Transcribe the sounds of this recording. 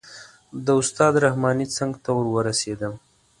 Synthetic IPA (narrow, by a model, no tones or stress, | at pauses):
d̪əʊst̪ɑd̪ɾahmɑnit͡səŋɡt̪awəɾwəɾased̪əm